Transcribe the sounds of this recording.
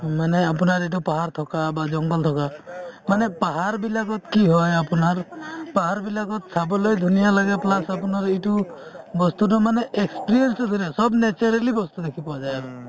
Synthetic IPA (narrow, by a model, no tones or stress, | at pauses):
maneap̬unaɾit̬upaɦaɾt̪ʰɔkabad͡ʒɔŋɡɔlt̪ʰɔkamanepaɦaɾbilakɔt̪kiɦɔjapunaɾpaɦaɾbilakɔt̪̚sʰabɔlɔjd̪ʱunijalaɡɛplasapunaɾiʈubɔst̪udɔmaneekspiɾijensɔd̪ʱunijasɔbnet͡ʃɔɾalibɔst̪ud̪ekʰipɔad͡ʒaj